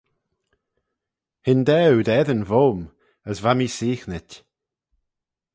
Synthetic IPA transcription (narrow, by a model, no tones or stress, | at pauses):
hɪnd̪ɛwd̪ɛðənvoːm | əsvamisiːxnɪtʲ